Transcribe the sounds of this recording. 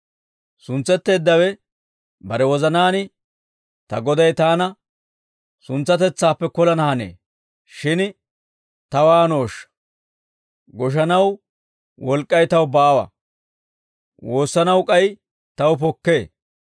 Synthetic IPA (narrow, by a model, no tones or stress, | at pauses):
sʊnt͡sːɛt̪ːe̞ːd̪ːɐwɛ | bɐɾɛwɔzɐnaːnɪ | t̪ɐ̰ɡɔd̪ɐjt̪aːnɐ | sʊnt͡sːɐt̪ɛt͡sːaːpːɛkɔlɐnɐhɐnḛː | ʃɪn | t̪ɐwaːno̞ːʃːɐ̥ | ɡɔʃ̬ɐnɐw | wɔlkʼːɐjt̪ɐwbaːwɐ̰ | wʔoːsːɐnɐwkʼɐj | t̪ɐwp̬ɔkːe̞ː